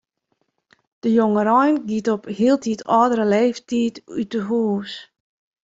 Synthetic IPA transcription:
d̥əjoŋəɾɔjnɡitɔphiːəlˠtʰitʰɔːdəɾəleːftiːtytəɦuːs

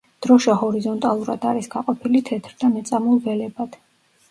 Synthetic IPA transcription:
d̪̥ɾɔʃahɔɾizɔnt̪ʼalˠuɾa̰d̪aɾisɡaqʼɔpʰilit̪ʰɛt̪ʰɾd̪amɛt̪sʼamulˠvɛlɛbad̪̥

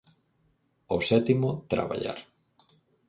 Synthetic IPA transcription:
osɛt̪imot̪ɾa̰βa̰ʎa̰ɾ

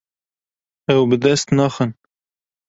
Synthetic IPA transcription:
ɛwbɨd̪ɛst̪nɑxən

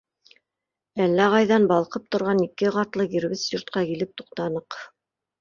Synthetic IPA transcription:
ælːæʁɑjðɑnbɑlˠqɤp̚t̪ŏɾʁɑnikɘʁɑt̪lˠɤɡiɾβɘsjŏɾt̪̚qɑkilɘp̚t̪uq̚t̪ɑnɤq

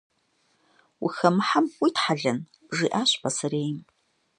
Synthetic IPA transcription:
wḭxɐmɨħamwitħaɮɐn | ʐiːʔaːɕpʰɐsɨɾeːjm

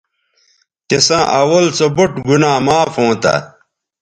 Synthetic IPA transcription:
kesãːʔɐwɐlt͡sobuʈɡunaːmaːfõːt̪ɐ̰

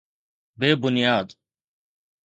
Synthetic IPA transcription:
beːbʊnjaːd̪

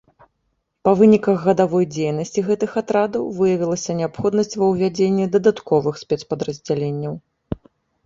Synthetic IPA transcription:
pɐvɨnʲikɐɣːɐd̪avɔjd͡zʲejnɐsʲt͡sʲiɣɛt̪ɨxat̪ɾad̪ɐwvɨjɐvʲilˠɐsʲɐnʲɛapxɔd̪nɐsʲt͡sʲvɐwvʲad͡zʲenʲːɛd̪ɐd̪at̪kɔvɨxsʲpʲɛt̪spɐd̪ɾɐzʲd͡zʲalʲenʲːɐw

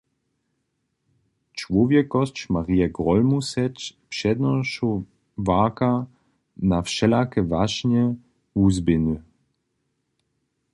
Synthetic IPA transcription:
t͡ʃvɔvjɛkɔst͡ʃmaʁiɛɡʁɔlmusɛt͡ʃpʂɛd̪nɔʃo | vaːka | nafʃɛlakɛvaʃɲɛ | uzbɪny

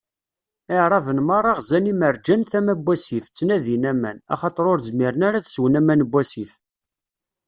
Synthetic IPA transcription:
ɪʕɾˤɑvənmɑɾˤɑʁzæniməɾd͡ʒænθæmæbʷːæsift͡sːnæðinæmænɑ̰χɑt̪ˤəɾˤʊɾzmiɾənæɾæθswənæmænbʷːæsif

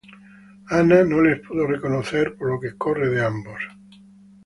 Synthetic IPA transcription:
ananõlespuðorekonoθeɾpoɾlokekoreðeambos

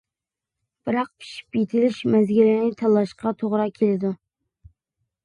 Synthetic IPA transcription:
b̥ɨɾɑq̚pʰi̥ʃi̥pjit̪ʰɪlɪʃmɛzɡʲilɪnɪt̪ʰɑlˠːɑʃqɑt̪ʰoʁɾɑkʲʰelɪd̪u

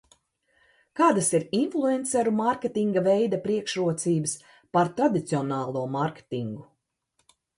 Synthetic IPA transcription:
kaːd̪asiɾinflˠuɛnt̪sɛɾumaɾkʲet̪iŋɡavɛjd̪apɾiɛkʃɾuɔt̪siːbɨs | paɾt̪ɾad̪it̪siɔnɑːlˠuɔmaɾkʲe̥t̪iŋɡu

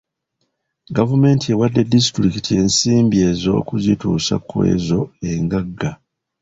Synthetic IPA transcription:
ɡavume̞ːntie̞wadːe̞dis̬itɾikitʰie̞ːnsiːmbie̞ːzo̞̰ːkuzitṵːsa̰kwe̞̰ːzo̞e̞ŋɡaɡːa

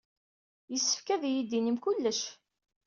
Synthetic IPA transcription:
jəsːə̥fkæðjid̪ːinəmkulːəʃ

